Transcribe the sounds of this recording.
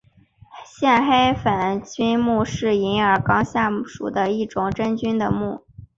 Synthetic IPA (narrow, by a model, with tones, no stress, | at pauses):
ɕjɛ˥˩nxe˥ɪfə˨˩nt͡ɕy˥nmu˥˧ʂɻ̩˥˩i˧˥nə˞˨˩kɑ˥ŋɕja˥˩ʂṵ˨˩d̪ə˦i˥˩ʈ͡ʂʊ˨˩ŋʈ͡ʂə˥nt͡ɕy˥nd̪ə˨mu˥˩